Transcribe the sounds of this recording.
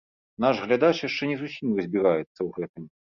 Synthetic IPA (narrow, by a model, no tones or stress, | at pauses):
naʐɣlʲad̪at͡ʂjaʂt͡ʂɛnʲɛzusʲimrɐzʲbʲiɾajɛt̪sːɐwɣɛt̪ɨm